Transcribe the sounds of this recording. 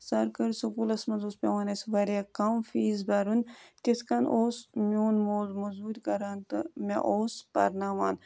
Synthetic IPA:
sɐɾkɐɾsɐkuːlɐsmɐnzoːspʲɐʋaːnɐsʲʋɐɾʲakɐmfiːzbɐɾunt̪iskɐnʔoːsmʲoːnmoːlmɐzuːt̪ʲkɐɾaːnt̪ɨmʲɐ̰ʔoːspɐ̰ɾnaːma̰ːn

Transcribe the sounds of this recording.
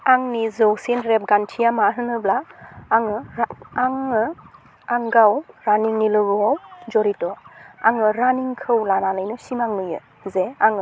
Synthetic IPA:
aŋnizɔwsinɾep̚ɡantʰijamaɦɯnɯblaːŋɯaŋɯ | aŋɡawɾaniŋnilɯɡɯawd͡ʒɔɾitɔaŋɯɾaniŋkʰɯwlananɯjnɔsimaŋnɯjɯ̰ | zeaŋɯ

